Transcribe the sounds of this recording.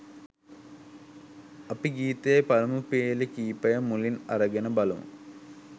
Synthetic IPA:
ɐpiɡiːt̪eepɐɾɐmupeːlekiːpɐjɐmulinɐ̰ɾɐɡɐnəbɐlṵm̰

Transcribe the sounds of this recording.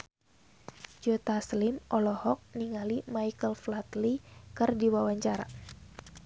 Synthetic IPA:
d͡ʒot̪aslimʔɔlɔhɔk̚niŋalimajkəlflat̪likɨrdiwawaɲt͡ʃaɾa̰

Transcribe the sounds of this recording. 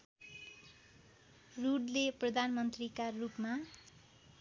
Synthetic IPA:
ruɽleprʌd̪ʱanmʌnt̪rikarupma

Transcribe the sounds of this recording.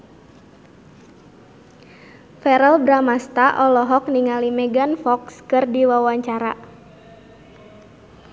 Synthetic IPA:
fɛɾəlbɾamast̪aʔɔlɔɦɔk̚niŋalimɛɡanfɔkskɨrdiwawaɲt͡ʃaɾa̰

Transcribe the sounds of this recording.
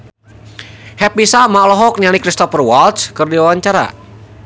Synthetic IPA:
hɛpisamaʔlɔɦɔk̚nialikɾist̪ɔfərwalt̪skɨrdiwawaɲt͡ʃaɾa̰

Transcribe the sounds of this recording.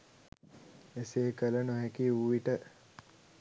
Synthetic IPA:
eseːkələnoɦekiuːʋiʈə

